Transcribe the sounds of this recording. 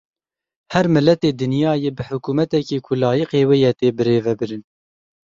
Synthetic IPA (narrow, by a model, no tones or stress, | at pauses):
hɛɾmɨlːɛt̪eːd̪ɨnjɑːjeːbɨħʊkuːmɛt̪ɛkeːkʰʊlɑːjiqeːweːjɛt̪eːbɨɾeːvɛbɨɾɨn